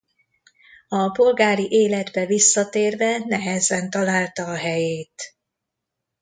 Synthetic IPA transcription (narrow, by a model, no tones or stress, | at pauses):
ɒpo̞lɡaːɾiʔeːlɛd̪bɛvisːɒt̪eːrvɛnɛɦɛzɛnt̪ɒlaːlt̪ɒːɦɛjeːt̪